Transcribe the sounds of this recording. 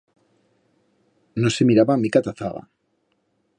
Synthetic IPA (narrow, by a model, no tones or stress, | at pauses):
nosemiɾaβamikat̪aθaɣa̰